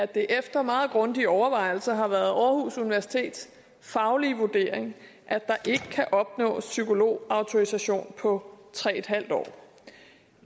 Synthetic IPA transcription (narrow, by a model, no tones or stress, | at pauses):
æd̥e̝ʔefd̥ɐmɑ̈ːð̞̩ˠɡ̥ʁɔ̽nd̥iɒʊɐʋɑ̈ɪ̰l̩sɐɦɑ̈ʋæɐð̞̩ˠʔɒːhusuniʋæɐsi̥t͡sʰe̝̰ːd̥s | fɑ̈ʊliʋud̥e̝ːɐ̰eŋ | ʔæd̥ɑ̈ʔe̝ɡ̥əkʰæʔɒ̽b̥nɔ̰̽ːsykʰo̝lo̝̰ːɑ̈ʊt͡sʰo̝ʁisæɕo̝̰ːnpʰɒ̽t͡sʰʁɛ̰ːed̥ɦhæl̰d̥ɒ̰ː